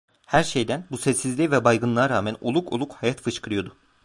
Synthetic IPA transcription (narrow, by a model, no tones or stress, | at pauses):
hæɾʃejd̪ænbusɛsːizlʲivɛbajɡɯnlˠaaɾaːmæno̞̰lˠukʰolˠukhajat̪fɯʃkʰɯɾɯjo̞d̪ʊ